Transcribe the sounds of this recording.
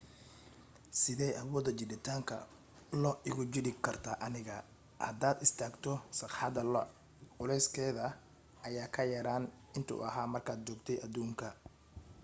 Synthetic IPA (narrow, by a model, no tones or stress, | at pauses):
sɪðɛjʔɐwɔːd̪ɐt͡ʃɪd̪ɪt̪ʰaːŋkʰɐ̰ | lɔʔɪɣʊt͡ʃɪɽɪkʰɐrt̪ʰaːʔɐnɪɣɐ | hɐd̪aːd̪ɪst̪ʰaːɡt̪ʰɔsɑqħɑd̪ɐ | ʊlɛjskʰɛːðɐ | ɐjaːkʰɐjɐɾaːn | ɪnt̪ʰɐʊ̰ɐɦaːmɐrkʰaːd̪̚t͡ʃɔːɡt̪ʰɛjɐd̪uːŋkʰɐ